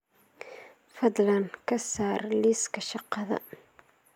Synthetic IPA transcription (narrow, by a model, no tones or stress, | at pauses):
fɑd̪ˤlɐnkʰɐsaːrliskɐʃɑqːɑðɐ̰